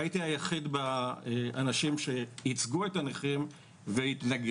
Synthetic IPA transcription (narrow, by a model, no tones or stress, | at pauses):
it̪iajaχid̪ba | anaʃimʃe̞hit͡sɡuet̪aneχim | vehit̪naɡ